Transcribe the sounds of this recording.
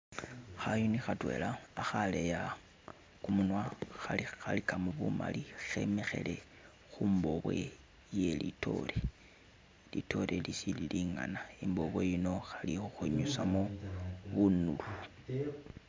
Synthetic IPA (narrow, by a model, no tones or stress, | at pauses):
xajonixatwe̞laːxale̞ja | kumunwaxalixalikamuβuma̰lixe̞me̞xe̞̰le̞ | xumbo̞βwe̞̰ | je̞litʰo̞̰le | litʰo̞ɾʔelisililiŋa̰naimbo̞βwe̞jino̞xalixuxeɲusamoβunulu